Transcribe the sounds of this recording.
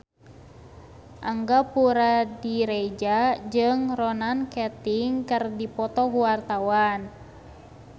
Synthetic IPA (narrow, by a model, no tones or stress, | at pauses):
ʔaŋɡapuɾadiɾɛd͡ʒad͡ʒɨŋrɔnankɛt̪iŋkɨrdipɔt̪ɔkuwart̪awan